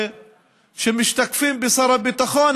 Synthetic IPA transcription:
ʃemɪʃt̪akfiːmbɪsˤɑɾˤɑbit̪ˤɑxɑːn

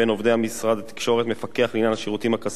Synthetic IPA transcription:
eno̞vd̪ehamisʁad̪at̪i̥kʃo̞ʁet̪mefake̞aχlinjanhaʃiʁut̪imakas

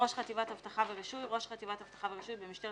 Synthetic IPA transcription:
oʃχat̪ivathavtaχaveʁiʃujʁo̞ʃχat̪ivathav̥t̪ḁχaveʁiʃujbemiʃt̪e

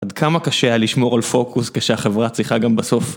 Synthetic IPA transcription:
ad̪kʰamakaʃealiʃmo̞ʁalfo̞kuskeʃeaχevʁat͡sʁiχaɡambaso̞f

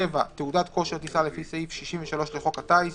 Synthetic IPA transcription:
eva̰t̪eudat̪ko̞ʃet̪isalefiseifʃiʃiɱveʃalo̞ʃleχokat̪ais

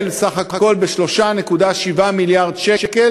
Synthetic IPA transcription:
lsaχahako̞lbeʃlo̞ʃanekudaʃivamiljaʁd̪ʃekel

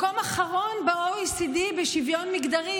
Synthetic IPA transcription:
komaχaʁonbaujisidibeʃivjonmiɡd̪aʁi

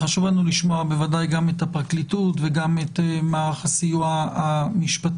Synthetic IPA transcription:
χaʃuvlanuliʃmo̞abevadajɡamet̪hapʁaklitutveɡamet̪maːʁaχasijuaamiʃpati

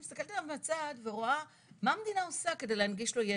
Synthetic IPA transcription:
ist̪akelt̪ialavmat͡sad̪veʁoa | mamed̪inao̞sake̞d̪ejlehanɡiʃlo̞je

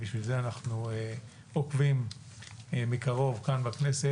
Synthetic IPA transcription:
biʃvilzeanaχnue | okvim | mikaʁo̞vkanbakne̞se

